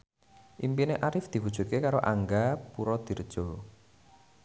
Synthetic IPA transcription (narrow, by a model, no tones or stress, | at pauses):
ʔimpineʔaɾɪfd̪̥i̤wud̥ʒ̥ṳt̪̚kekaɾoʔaŋɡapuɾɔd̪̥i̤rd̥ʒ̥o